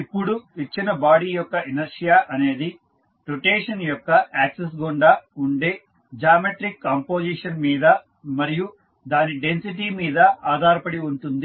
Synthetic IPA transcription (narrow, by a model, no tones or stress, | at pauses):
ipːuɽuit͡ʃːinɐbaːɽijɔkːɐenɐɾʂijaːʔɐne̞ːd̪i | ʈoʈeːʂɐnjɔkːɐʔaːkses̬ɡoɳɖauɳɖe̞ː | d͡ʒaːmeʈɾikːaːmpoːd͡ʒiʂɐnmiːd̪ɐ | mɐɾiju | d̪aːniɖe̞nsiʈimiːd̪ɐʔaːd̪ʱaːɾɐpɐɽiuɳʈund̪i